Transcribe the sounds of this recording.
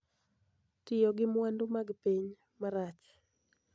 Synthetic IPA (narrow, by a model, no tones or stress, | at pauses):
tɪjɔɡɪmwandʊmaɡpiɲ | maɾat͡ʃ